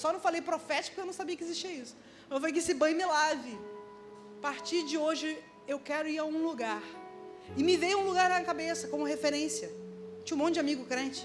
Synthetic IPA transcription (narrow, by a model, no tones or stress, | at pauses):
sɔnɐ̃w̃falejpɾofɛt͡ʃɪkʊkewnɐ̃w̃sabiɐkɪezisʃt͡ʃiɐisʊ̥ | ɐ̃ewfalejkɪesɪbɐ̃j̃mɪlavɪ | paɾt͡ʃiɾd͡ʒɪoʒɪ | ewkɛɾʊiɾaũluɡaɾɪmɪvejũluɡaɾnɐmiɐkabesɐkõmʊɦefeɾẽsjɐd͡ʒiũmõw̃d͡ʒɪamiɡʊkɾẽt͡ʃɪ̥